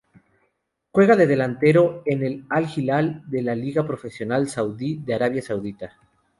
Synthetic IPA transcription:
xwe̞ɣaðe̞ðe̞lant̪e̞ɾo̞ene̞lalxilald̪e̞laliɣapɾo̞fe̞sjo̞nalsawðiðe̞aɾaβjasawðit̪a

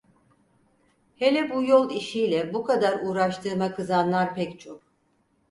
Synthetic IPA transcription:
helʲɛbujo̞lˠiʃijlʲɛbukʰad̪aɾuːɾaʃt̪ʰɯɾmakʰɯzanlˠaɾpʰɛct͡ʃʰo̞k̚

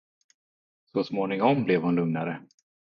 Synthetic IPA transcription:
sɔsmoːnɪŋɔmblɛvhʊnlɵŋnaɾə

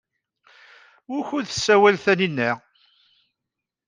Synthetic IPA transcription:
ʊɾçʊðθəsːæwælθæninːæ

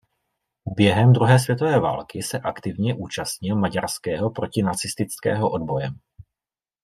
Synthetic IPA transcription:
bjɛɦɛmd̪ɾuɦɛːs̬vjɛt̪ovɛːva̰ːlkɪsɛʔakt̪ɪvɲɛʔuːt͡ʃast̪ɲɪlmaɟaɾskɛːɦo̞pɾo̞cɪnat͡sɪst̪ɪt͡skɛ̰ːɦo̞ʔo̞d̪bo̞jɛm

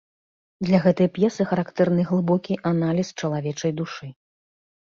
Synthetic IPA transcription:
d̪lʲɐɣɛt̪ɨjɐpjɛsɨxɐɾakt̪ɛrnɨɣlˠɨbɔkʲiʔanalʲist͡ʂɐlˠavʲɛt͡ʂɐjd̪uʂɨ

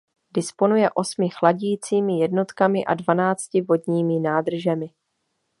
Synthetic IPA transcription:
dɪspo̞nujɛʔo̞smɪxlaɟiːt͡siːmɪjɛdno̞t̪kamɪʔa̰dvanaːt͡scɪvo̞dɲiːmɪnaːd̪r̩ʒɛmɪ

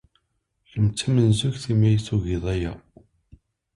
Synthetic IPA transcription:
çəmt͡sːæmənzuçθimæjsuʝiðˤæjæ̰

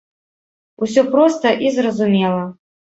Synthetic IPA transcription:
usʲɔpɾɔst̪ɐʔizrɐzumʲɛlˠɐ

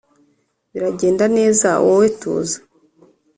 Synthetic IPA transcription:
βiɾaɟe̞ːndane̞ːzawʔowetṵːzḁ

